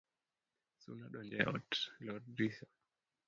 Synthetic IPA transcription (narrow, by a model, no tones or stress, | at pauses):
sṵnaɗɔnd͡ʒɛʔɔ̰tlɔɾdisa